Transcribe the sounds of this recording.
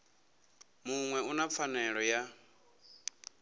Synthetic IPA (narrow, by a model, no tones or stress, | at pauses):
muŋwɛunap̪fʰanɛɺɔja